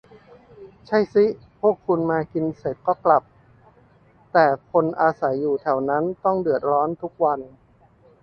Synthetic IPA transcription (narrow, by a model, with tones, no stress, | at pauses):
t͡ɕʰa˥˩jsi˦˥ | pʰu˥˩əkʰːu˧nmaː˧ki˧nse˨˩t̪̚kɔː˥˩kla˨˩p̚ | t̪ɛː˨˩kʰo˧nʔaː˧sa˩˦jːuː˨˩t̪ʰɛ˩˦wna˦˥nt̪ɔ˥˩ŋdɯ˨˩ət̪̚ɾɔː˦˥nt̪ʰu˦˥k̚wa˧n